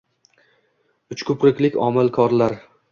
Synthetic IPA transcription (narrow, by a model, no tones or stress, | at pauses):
ʊt͡ʃkʰɵpɾɪkʲlɪkʲɒ̰mɪlˠkʰɒɾlaɾ